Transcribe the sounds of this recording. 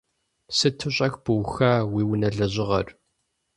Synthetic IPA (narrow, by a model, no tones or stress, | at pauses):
sɨtʰɨɕʼɐxb̥ɨwxaːwiːwʊnɐɮɐʑɪʁɐ̰r